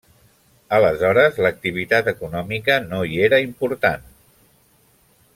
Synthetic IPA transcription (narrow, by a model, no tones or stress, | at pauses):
ələzɔɾəzlək̚t̪iβ̞it̪at̪əkunɔmikənoieɾəimpuɾt̪an